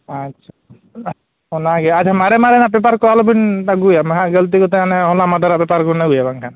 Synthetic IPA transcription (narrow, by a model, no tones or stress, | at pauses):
atːʃʰa | ɔnaɡɛat͡ʃʰamaɾɛmaɾɛnapɛpaɾkɔalobint̪aɡujamɦaɡelt̪̬ikɔt̪ɛanɛɦɔlamad̪ʱaɾabɛpaɾkunaɡujabaŋkʰan